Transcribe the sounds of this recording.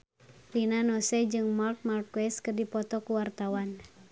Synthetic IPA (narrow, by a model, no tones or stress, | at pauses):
rinanɔsɛd͡ʒɨŋmart̪̚mart̚kwɛskɨrdipɔt̪ɔkuwart̪awan